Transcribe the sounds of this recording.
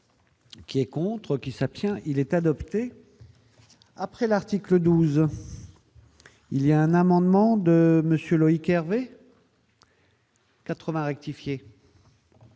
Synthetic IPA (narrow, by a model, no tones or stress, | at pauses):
kʲiɛkɔ̃t̪χəkʲisapst̪jɛ̃ʔilɛt̪ad̪ɔpt̪e | apχɛlaʁt̪ikləd̪uz | iliaɛ̃namɑ̃d̪mɑ̃d̪əməsjølɔikɛʁve | kat̪χəvɛ̃ʁɛk̚t̪ifje